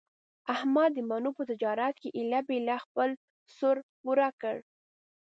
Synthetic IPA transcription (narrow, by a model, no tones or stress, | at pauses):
ahmɑd̪ːəmanupət̪ɪd͡ʒɑɾat̪̚keʔɪlabelaxpəl | sʊɾpuɾakəɽ